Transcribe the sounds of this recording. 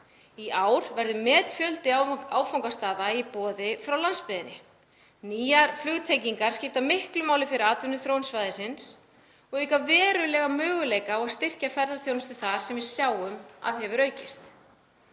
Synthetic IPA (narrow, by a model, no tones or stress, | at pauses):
iʔaːwɾ̥vɛɾðʏmɛːt̪fjœlt̪ɪaːwfawŋkast̪aːðaipɔːðɪfɾawlanspɪðɪnːɪ̰ | niːjaɾflʏɣt̪ʰejciŋkaɾ̥scɪft̪amɪhklʏmaːwlɪfɪɾɪɾaːt̪vʏnʏθɾownsvaːjðɪsɪns | ɔɣʏjkavɛːɾʏlɛːɣamœːɣʏleːjkaɔaɣst̪ɪr̥cafɛɾðaθjoːwnʏst̪ʏθaɾ̥sɛmvɪðsjaːwʏma̰ðhhɛvʏɾœːɥcɪst̪